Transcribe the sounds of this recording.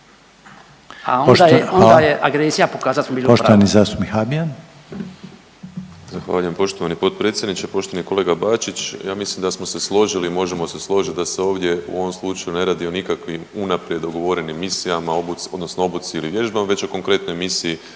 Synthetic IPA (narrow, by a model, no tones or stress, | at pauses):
a̰od̪aond̪ajeʔaɡɾesijapo̞kaːzat̪smobiːlpoʃt̪oanizaːst̪umixabian | zaxʋa̰ːʎuje̞mpo̞ʃt̪o̞ʋanipo̞t̪̚pɾe̞t̪sʲjed̪nit͡ʃepo̞ʃt̪o̞ʋaniko̞le̞ɡabaːt͡ʃit͡ʃjaːmislimd̪asmo̞se̞slˠo̞ʒilimo̞ʒemo̞se̞slˠo̞ʒit̪̚d̪aseo̞ːʋd̪je̞ṵo̞ʋomslˠut͡ʃajune̞ɾaːd̪io̞nikakʋimunapɾjed̪oɡo̞ʋo̞ɾenimːisijamaobuo̞d̪no̞snoo̞but̪siiliʋje̞ʒd̪amʋe̞t͡ɕo̞ko̞ŋkɾe̞t̪nojmisiji